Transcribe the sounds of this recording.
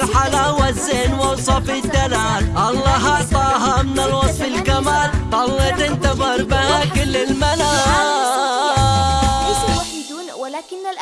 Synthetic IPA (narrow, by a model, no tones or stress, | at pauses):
lħalaːwazːɪnwalsˤɑfɾɪd̪ːanaːlʔɑlˤːɑːɦɑʕt̪ˤɑːɦamɪnalwɑsˤfɪlkamaːlʔˤɑlːɑt̪ɪnt̪ɑðˤɨɾˤbɪhakʊlːalmanaː